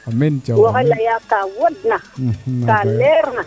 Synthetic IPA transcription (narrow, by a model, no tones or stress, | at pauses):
amint͡ʃawoɣelajakawodnakaleɾna